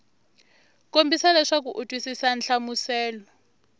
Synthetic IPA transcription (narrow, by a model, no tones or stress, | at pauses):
kʼombisalɛʂak̬uʔutʼwisisanɬamusɛːlɔ